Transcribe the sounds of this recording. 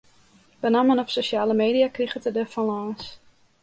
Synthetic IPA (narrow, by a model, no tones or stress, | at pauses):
bənamənɔpsoʃaːləmeːdiakrixətədəfalaːs